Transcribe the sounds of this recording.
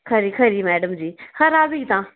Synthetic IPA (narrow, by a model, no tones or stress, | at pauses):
kʰəɾikʰəɾimɛːɖəmd͡ʒiːxɐɾaːbiɡt̪ãː